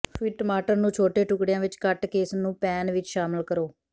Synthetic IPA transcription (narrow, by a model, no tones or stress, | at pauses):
fʰiːʈəmaːʈəɾnũːt͡ʃʰoːʈeːʈʊkɽejãːʋɪt͡ʃkəʈkeːsnũːpɛːnʋɪt͡ʃʃaːməlkəɾoː